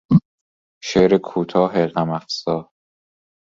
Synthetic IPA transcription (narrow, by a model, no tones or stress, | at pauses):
ʃeːɾekʰuːt̪ʰɒːɦeɢæmæfsɒː